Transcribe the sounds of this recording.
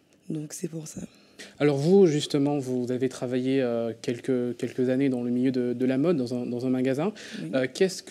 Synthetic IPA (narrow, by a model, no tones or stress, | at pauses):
d̪ɔ̃ksɛpuʁsa | alɔʁvuʒyst̪əmɑ̃vuzavet̪χavajeøkʲɛlkəkʲɛlkəzaned̪ɑ̃ləmiljød̪əd̪əlamɔd̪ːɑ̃zɛ̃d̪ɑ̃zɛ̃maɡazɛ̃ | økʲɛsk